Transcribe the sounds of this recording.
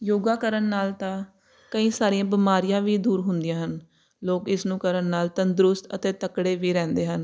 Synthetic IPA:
joːɡaːkəɾənːaːlt̪ãː | kəĩːsaːɾijãːbɪmaːɾɪjãːʋiːd̪uːɾɦʊnd̪ɪjãːɦən | loːkɪsnũːkəɾənːaːlt̪ə̃nd̪ɾʊst̪ə̰t̪eːt̪əkɽeːʋiːɾɛ̃ːnd̪eːɦən

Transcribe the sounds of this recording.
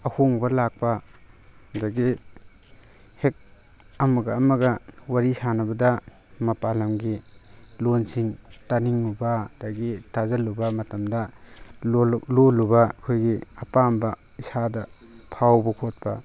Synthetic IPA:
ɐhoŋbɐlak̚pɐ | daɡi | hek̚ | ɐmɐɡɐːmɐɡɐwaɾisanɐbɐdɐ | mɐpalɐmɡilonsiŋtaniŋubadaɡitazɐlubɐmɐtɐmdɐ | lolubɐkʰojɡiɐpambɐ | isadɐ | pʰawbɐkʰot̚pɐ̰

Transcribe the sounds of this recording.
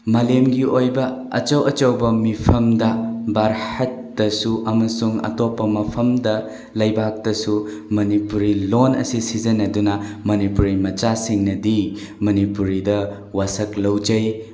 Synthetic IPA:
malemɡiojbɐ | ɐ̰t͡ʃɐwɐt͡ʃɐwbɐmipʰɐmdɐbaɾhɐtːɐsuʔɐmɐsuŋɐ̰topːɐmɐpʰɐmdɐ | lɐjbak̚tɐsu | mɐnipuɾilonɐ̰sisizɐnɐdunɐmɐnipuɾimɐt͡ʃasiŋnɐdi | mɐnipuɾidɐ | wasɐklɐwd͡ʒɐj

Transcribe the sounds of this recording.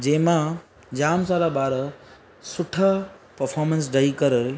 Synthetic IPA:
d͡ʑɐ̃ɦɪ̃mã | d͡ʑaːmsaːɾabaːɾə | sʊʈʰapɐɾfʰɔːɾmə̃ns̬ɖɐikɐɾ

